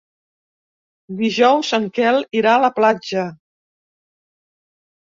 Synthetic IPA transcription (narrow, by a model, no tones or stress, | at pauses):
d̪iʒɔwsəŋkɛliɾaələplad͡ʒə